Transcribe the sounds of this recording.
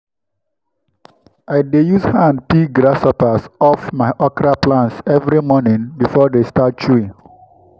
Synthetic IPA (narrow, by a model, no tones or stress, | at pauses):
aɪdejuzhãnd̚piɡɾasɔpasɔfmaɪʔɔkɾaplãntsɛvɾimɔnĩŋbifɔdestat̚t͡ʃuĩŋ